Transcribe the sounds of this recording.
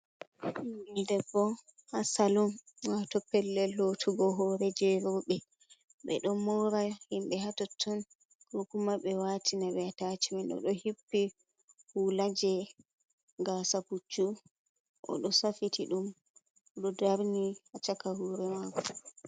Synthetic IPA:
imidɛbɔ | hasalumwatɔpɛlːɛlːotʰuɡɔɦɔɾɛd͡ʒɛɾɔɓɛ | ɓɛ̰ɗɔmɔɾahimɓɛɦatɔtʰːɔn | ɡokumaɓɛwatʰinaɓɛatatiminɗɔ̰ɗɔhipːi | hulad͡ʒɛ | ɡasaput͡ʃːu | ʔɔ̰ɗɔsafitʰiɗum | ɔɗɔdaɾnihat͡ʃakahuɾɛmakɔ

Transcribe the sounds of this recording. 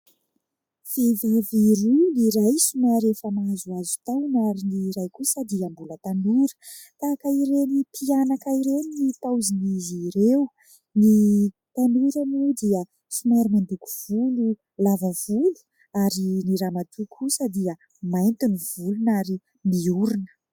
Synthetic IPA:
fivaviɾuniɾajsumaɾefəmazuazu̥t̪awnaɾiniɾajkusəd̪iəmbulət̪anuɾə̥t̪akaiɾenipʰianakaiɾeninit̪awziniziɾew | ni | t̪anuɾanud̪iə | simaɾimand̪uku̥v̥ulu | lavəv̥ulu̥ | aɾiniɾamat̪ʰukʰusəd̪iə | majnt̪iniv̥ulunaɾi | miuɾunə̥

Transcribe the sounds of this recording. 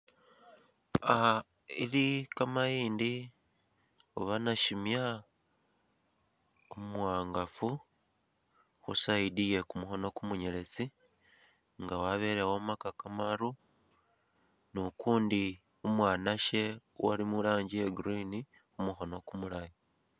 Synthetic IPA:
aha | ilikamajiːndi | oβanaʃimja | ommuwaːŋɡafu | xusaidije̞kumuxo̞nokumuɲele̞t͡si | ŋɡawaβe̞ɾewomakakamaɾu | nukuːndi | umwaːnaʃe̞ | wa̰limulaːɲɟieɡuɾini | xumuxo̞no̞kumulaji

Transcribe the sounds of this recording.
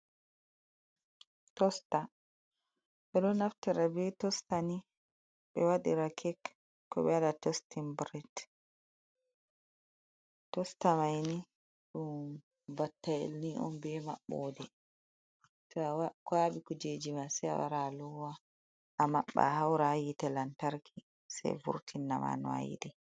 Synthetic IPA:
tɔsta | ɓɛɗɔnaftaɾabɛtɔstani | ɓɛwaɗiɾakʰɛk | kːɔ̰ɓɛadatɔstimbɾit | tɔstamajni | ɗum | batːaḛlniʔɔ̰nbɛmaɓːɔ̰dɛ | sɔwakwaɓikɔd͡ʒed͡ʒimasɛja̰wa̰ɾalɔwa | ʔamaɓːa̰hawɾajitɛlantaɾki | sɛ̰jvṵɾtʰinːa̰ma̰nɔa̰jḭdɛ

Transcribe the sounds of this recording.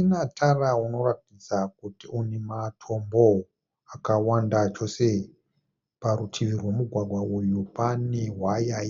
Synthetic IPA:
inatʰarauno̞ratid͡zak̚utiunematʰo̞mbo | akawandat͡ʃo̞se | paɾutʰiʋirwe̞muɡʱwaɡʱwaʔujupaneɦwaja

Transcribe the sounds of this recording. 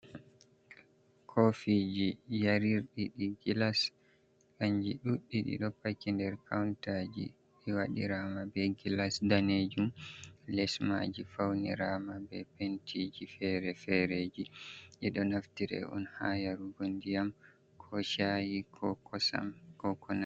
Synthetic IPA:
kʰofid͡ʒijaɾiɾɗiɗiɡilas | kaɲd͡ʒiɗuɗːiɗḭɗɔpːakːindɛɾkʰawntad͡ʒḭ | ɓɛwaɗḭɾamabɛɡilasdaned͡ʒumlɛsma̰d͡ʒifawnḭɾaːmabɛpentid͡ʒifɛɾɛfɛɾed͡ʒiʔɛɗɔnaftiɾɛ̰ʔṵnhaːjaɾuɡondijam | kʰɔʃajikʰɔkɔsa̰mkɔkɔna

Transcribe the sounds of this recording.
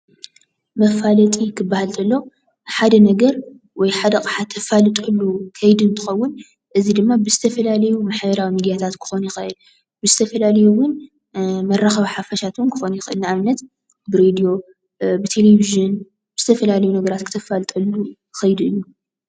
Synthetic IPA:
mɐfalɐt̪ʼikʰɨbːahalt̪ʰɐlːo | ħad̪ɐnɐɡɐɾ | wɔjħad̪ɐkʼħat̪ʰːɐfalɨt̪ʼɨlːukʰɐjd̪ɨnt̪ʰɨxɐwːʊn | ʔɨzid̪ɨmːabɨzɨt̪ʰɐfɐlalɐjumaħbɐɾawimid̪ijat̪ʰat̪kʰɨ̥xo̞njɪxɐʔɨl | bɨzɨt̪ʰɐfɐlalɐjuwʊn | mɐrːaxɐβħafɐʃat̪nkʰɨ̥xo̞njɪxʔɨlniaβnːɐt̪ | bɨɾed̪ijo̞ | bɨt̪ʰe̞leviʒɨn | b̥ɨzɨt̪ʰɐfɐlalɐjunɐɡɐɾat̪kʰɨt̪ʰɐfalɨt̪ʼɐlːu | xɐjd̪ɨjːu

